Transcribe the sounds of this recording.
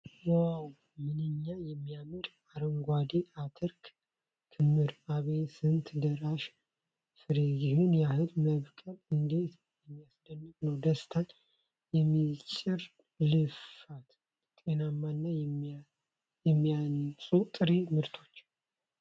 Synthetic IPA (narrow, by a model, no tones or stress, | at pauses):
waw | mɨnɨɲːajɛmːijamɨɾ | aɾəŋɡʷad̪eʔat̪ʰəɾkʰ | kʰɨmːɨɾaβesɨnt̪ʰd̪əɾaʃ | fɨɾejɪhunjahɨlməβkʼəlɨnd̪e̞t̪mɨnɨɲːasɨd̪ənːɨt̪nəwd̪əst̪ʰan | jɛmːit͡ʃʼɪɾ | lɨfat̪ | t̪ʼenamːanːajɛ | jɛmːiansʼut̪ʼɨɾemɨɾt̪ʰo̞t͡ʃː